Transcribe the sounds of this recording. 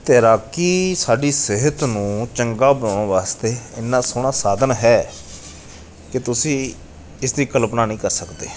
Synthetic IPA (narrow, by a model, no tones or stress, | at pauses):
t̪eːɾaːkiːsaːɖiːsɪɦət̪nũːt͡ʃəŋɡaːbənãːnːʋaːst̪eːɪnːaːsʊːɳaːsaːd̪ənɦɛː | kɪt̪ʊsĩː | ɪsd̪iːkələpnaːnĩːkəɾsəkd̪ḛː